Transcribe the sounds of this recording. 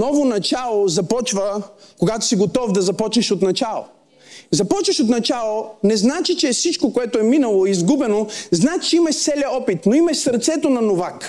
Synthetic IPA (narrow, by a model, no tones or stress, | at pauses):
nɔvonɐt͡ʃalˠozɐpɔt͡ʃvəkoɡat̪o̥siɡot̪ɔfd̪ɐzɐpɔt͡ʃnɛʃot̪nɐt͡ʃalˠo̰ | zɐpɔt͡ʃvəʃot̪nɐt͡ʃalˠonɛznat͡ʃit͡ʃɛfsit͡ʃkokoɛt̪ʊɛminɐlˠoizɡubɛnoznat͡ʃɛimɐʃt̪sɛlʲjɐɔpit̪noimɐʃsɐɾt̪sɛt̪onɐnovak